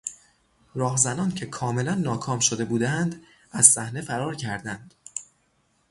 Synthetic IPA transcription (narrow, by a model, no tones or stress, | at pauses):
ɾɒːɦzænɒːncʰe̞kʰɒːme̞lænːɒːkʰɒːmʃo̞d̪e̞buːd̪ænd̪ | æz̥sæhne̞fæɾɒːɾcʰæɾd̪ænd̪̥